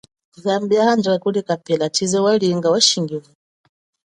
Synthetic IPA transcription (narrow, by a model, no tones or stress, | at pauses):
zambiahand͡ʒakulɛkapɛlat͡ʃizɛwaliːŋɡawaʃiŋɡivu